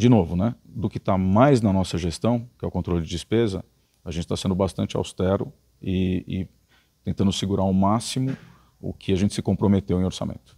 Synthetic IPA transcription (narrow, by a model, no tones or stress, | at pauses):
d͡ʒɪnovʊnɛd̪ʊkɪt̪amajznɐnɔsɐʒest̪ɐ̃w̃kɪɛʊkõnt̪ɾolʊd͡ʒɪd͡ʒɪspezɐ̰ | aʒẽt͡ʃɪ̥t̪asẽnd̪ʊbast̪ɐ̃nt͡ʃɪa̰wst̪ɛɾʊ | ɪɪ | t̪ẽnt̪ɐ̃nd̪ʊsɪɡuɾaʊmasimʊ | ʊ̰kʰɪaʒẽt͡ʃɪ̥sɪkõpɾomet̪ewẽoɾsa̰mḛ̃nt̪ʊ̥